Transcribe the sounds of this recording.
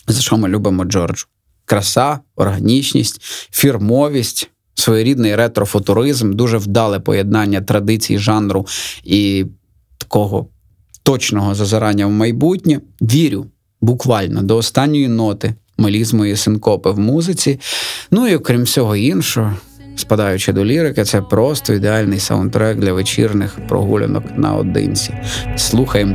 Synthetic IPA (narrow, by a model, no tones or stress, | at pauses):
zɐʃɔmɪlʲubɪmɔd͡ʒɔrd͡ʒʊ̥ | kɾɐsɑɔrɦɐnʲit͡ʃnʲḭsʲtʲfʲirmɔʋʲisʲtʲ | sʋɔjɔɾʲid̪nɪjɾɛt̪ɾɔfʊt̪ʊɾɪzmd̪uʒɛwd̪ɑlˠɪpɔ̰jed̪̚nɑnʲːɐt̪ɾɐd̪ɪt͡sʲḭjḭʒɑnɾʊi | t̪ɐ̥kɔɦɔ̰ | t̪ɔt͡ʃnɔɦɔzɐzɐɾɑnʲːɐwmɐjbutʲnʲɐʋʲiɾʲʊ | bʊkʋɑlʲnɔd̪ɔːst̪ɑnʲːɔjinɔt̪ɪ | mɔlʲizmɔjisɪnkɔpɪwmuzɪt͡sʲinuiɔkɾʲimsʲɔɦɔinʃɔɦɔ | spɐd̪ɑjʊt͡ʃɪd̪ɔlʲiɾɪkɪt̪sɛpɾɔst̪ɔid̪eɑlʲnɪjsɐ̰nt̪ɾɔɛɡ̚d̪lʲɐʋet͡ʃḭrnɪxpɾɔ̰ɦṵlʲḛnɔ̰knɐ̰ɔ̰d̪ɪ̰nʲt͡sʲislˠuxɐjem